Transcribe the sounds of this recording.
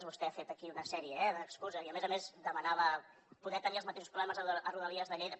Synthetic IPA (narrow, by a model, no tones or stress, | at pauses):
zβust̪ɛafet̪əkiunəsɛɾiəɛðəkskuzəziəmezəmezd̪əmənaβə | puðɛt̪əniəlˠzmət̪eʃuspɾuβlɛməzəʔəruðəliəzðəʎejðə